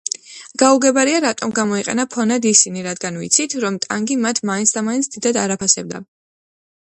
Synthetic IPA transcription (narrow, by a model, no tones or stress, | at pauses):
ɡ̥auɡɛbaɾiaɾat̪ʼɔmɡamɔiqʼɛ̰napʰɔnad̪isiniɾad̪ɡanvḭt̪sʰit̪ʰɾɔmt̪ʼa̰ŋɡimat̪ʰmaintsʰd̪amaintsʰd̪̥id̪ad̪aɾapʰasɛb̚d̪a̰